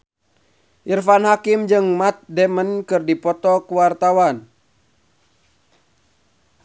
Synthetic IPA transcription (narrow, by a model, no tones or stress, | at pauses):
ʔirfanɦakimd͡ʒɨŋmat̪̚dɛmənkɨrdipɔt̪ɔkuwart̪awan